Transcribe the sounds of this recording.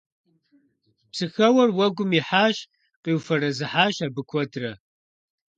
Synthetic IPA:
psɨxɐwɐrwɐɡʷʊmiħaːʃ | qiːwfɐɾɐzɨħaːʃaːbɨkʷʰɔdrɐ

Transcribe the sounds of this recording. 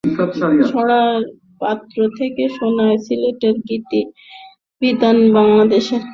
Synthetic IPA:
ʃɔɽa | pat̪ːɾot̪ʰekeʃonaesileʈeɾɡit̪i | bid̪anbaŋlad̪eʃeɾ

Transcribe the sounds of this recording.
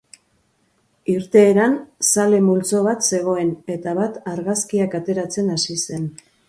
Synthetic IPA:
iɾt̪e̞ːɾansale̞mult͡so̞βat̪se̞ɣ̞o̞e̞ne̞t̪aβat̪aɾɣaskiakat̪e̞ɾat͡se̞nasise̞n

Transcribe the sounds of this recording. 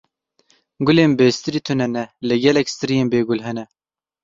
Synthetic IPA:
ɡʊleːnbest̪ɨɾiːt̪ʰunɛnɛlɨɡɛlɛkst̪ɨɾijeːnbeːɡʊlɦɛnɛ

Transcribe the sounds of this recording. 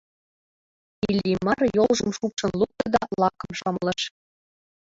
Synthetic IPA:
ilʲimɑrjolˠʒɤ̆mʃukʃɤ̆nlˠuk̚t̪ɤ̆d̪ɑlˠɑkɤ̆mʃɑmlˠɤ̆ʃ

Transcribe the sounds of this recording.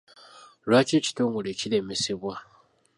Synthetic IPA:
lwaːce̞ːci̥toːŋɡole̞ːcile̞meseβwa

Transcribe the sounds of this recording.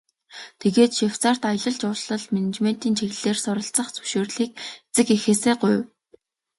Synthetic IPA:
t̪ʰeɣeːt̪ʃiwt͡saːr̥t̪ajəɮə̆ɮt͡ɕʊɮɮə̆ɮmenet͡ɕmen̥t̪iːnt͡ɕʰeɣɮeːrsʊɾə̆ɬt͡sə̆χt͡sɵ̥wʃoːrɮiːk̚et͡sɘ̆kexeːseːɢʊj

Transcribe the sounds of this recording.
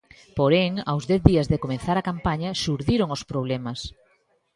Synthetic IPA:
poɾɛŋawzðɛθðiazðekomẽnθaɾakampaɲɐʃuɾðiɾoŋospɾoβ̞lɛmɐs

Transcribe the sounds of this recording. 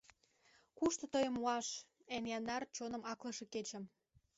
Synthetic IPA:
kuʃt̪ə̆t̪əjə̆muɑʃ | enjɑnd̪ɑrt͡ɕonə̆mɑklə̆ʃĕket͡ɕə̆m

